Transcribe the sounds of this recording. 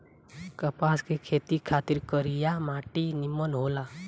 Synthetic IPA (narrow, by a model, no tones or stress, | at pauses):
kəpaːskekʰeːt̪ikʰaːt̪ɪɾkəɾijamaːʈinimːənɦoːla